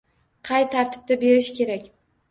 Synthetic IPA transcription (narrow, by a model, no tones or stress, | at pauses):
qʰɑjt̪ʰaɾt̪ʰɪ̥b̚t̪abe̞ɾɪʃkʲe̞ɾakʲ